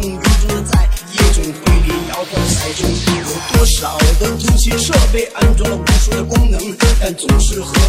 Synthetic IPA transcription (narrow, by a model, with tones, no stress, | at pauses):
y˧˥nʈ͡ʂʊ˥ŋd̪ə˩t͡sa˥˩ɪjɛ˥˩ʈ͡ʂʊ˨˩ŋt̪we˥˩ɪpjɛ˧˥njɑ˧˥ʊt̪ʰɑ˧˥ŋɕɑ˨˩˥ʊʈ͡ʂʊ˥ŋ˥˩jo˨˩ʊt̪wɔ˥ʂɑ˨˩˦ʊd̪ə˧˩t̪ʰʊ˧˥t͡ɕʰɛ˥ʂɤ˥˧pe˥˩ɪʔa˥nʈ͡ʂwɑ˥ŋə˨˩pu˧˥ʂu˥˩d̪ə˨˩kʊ˥ŋnɤ˧˥ŋt̪a˥˩nt͡sʊ˨˩ŋʂɻ̩˥˩xɤ˧˥